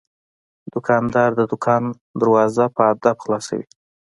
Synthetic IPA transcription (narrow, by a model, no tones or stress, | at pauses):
d̪̥ʊkʰɑnd̪ɑɾd̪əd̪ʊkʰɑn | d̪əɾwɑzapʰəad̪abxlɑsa̰wḭ